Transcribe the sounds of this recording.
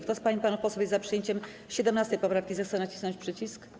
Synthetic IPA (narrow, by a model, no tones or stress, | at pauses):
kt̪ɔspaɲipanufpɔswɔbʲjezapʂɨjeɲt͡ɕɛm | ɕɛd̪ɛmnast̪ɛjpɔpɾafkʲizaxt̪sɛnat͡ɕi̥snɔ̃ɲt͡ɕʲpʂɘt͡ɕisk